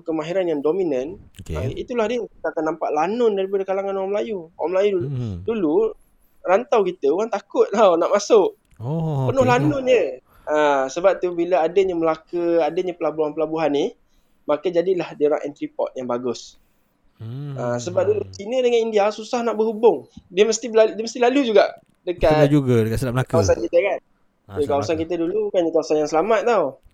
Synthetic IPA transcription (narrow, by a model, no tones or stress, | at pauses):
ukəmaɦiɾanjaŋdominənait̪ulahdiəkit̪əakanːampaʔlanʊndaɾipadəkalaŋanuaŋməlajuaŋmlajuduludulu | rant̪awkit̪əuɣaŋt̪akʊt̪̚lawnaʔmasʊʔ | pənʊhlanʊnjə | asəbap̚t̪ubiləadəɲəməlakəadəɲapəlabuɦanpəlabuɦanːi | makəd͡ʒadilahdiɾa̰ŋʔɛ̰nt̪ɾipɔ̰t̪̚jaŋbaɡʊs | asəbap̚dulut͡ʃinədəŋanindiasusahnaʔbəɦubʊŋdiəməst̪ibladiəməst̪ilalud͡ʒuɡaʔ | dəkaad͡ʒuɡədəkasəlaməlakawasankit̪əkan | əkawasankit̪̬ədulukanəkawasanjaŋsəlamat̪̚t̪aw